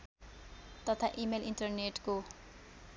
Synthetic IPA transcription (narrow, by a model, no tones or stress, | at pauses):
t̪ʌt̪ʰaʔimelinʈʌrneʈko